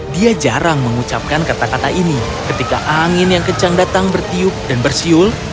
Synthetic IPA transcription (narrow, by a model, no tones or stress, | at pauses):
diad͡ʒaɾaŋməŋut͡ʃap̚kankat̪akat̪aʔini | kət̪ika̰ʔaŋɪnjaŋkət͡ʃaŋdat̪aŋbərt̪iʊk̚danbərsiʊl